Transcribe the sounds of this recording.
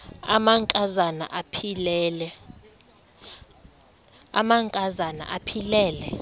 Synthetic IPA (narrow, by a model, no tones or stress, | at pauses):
a̰maŋkʼazana̰ʔapʰilɛlɛ | a̰maŋkʼazana̰ʔapʰilɛːlɛ